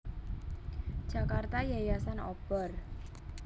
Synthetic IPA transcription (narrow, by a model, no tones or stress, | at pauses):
ʒ̥a̤kart̪ajajasanɔb̥ɔr